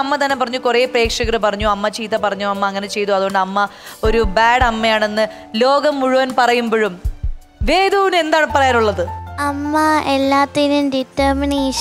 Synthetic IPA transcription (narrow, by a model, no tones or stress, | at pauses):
ɐmːɐt̪ɐnːe̞pɐrɐɲːukureːpreːkʂɐɣɐɾɨpɐrɐɲːuɐmːɐt͡ɕiːt̪ːɐpɐrɐɲːuɐmːɐɐŋːɐne̞t͡ɕe̞jt̪uɐðuɣoɳɖɨɐmːɐo̞ɾubaːɽɐmːɐjaːɳe̞nːɨ | lo̞ːɡɐmːuɻuʋɐnpɐrɐjumboːɻum | ʋeːd̪uʋine̞nd̪aːɳɨpɐrɐjanuɭːɐðɨɐmːɐelːaːt̪ːilumɖitːɐːmineːʂ